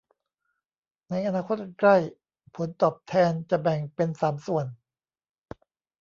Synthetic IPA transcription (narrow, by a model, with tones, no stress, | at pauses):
na˧jʔa˧naː˧kʰo˦˥t̪̚kla˥˩j | pʰo˩˦nt̪ɔː˨˩p̚t̪ʰɛː˧nt͡ɕa˨˩bɛ˨˩ŋpe˧nsaː˩˦msu˨˩ən